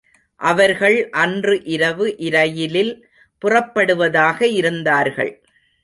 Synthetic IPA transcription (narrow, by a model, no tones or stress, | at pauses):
ʔɐʋɐɾɣɐɭʔɐndrɯʔɪɾɐʋɯʔɪɾɐjɪlɪl | pʊrɐpːɐɽɯʋɐðaːɣɐɪɾɯnd̪aːɾɣɐ̰ɭ